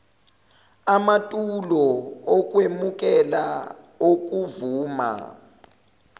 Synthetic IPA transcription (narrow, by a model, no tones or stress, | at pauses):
amatʼulɔɔk̬ʼwemuk̬ʼɛla | ok̬ʼuvuːma̰